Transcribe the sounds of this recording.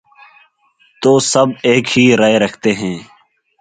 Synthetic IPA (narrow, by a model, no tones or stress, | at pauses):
t̪oːsəbeːkɦiːɾaeːɾəkʰt̪eːɦɛ̃ː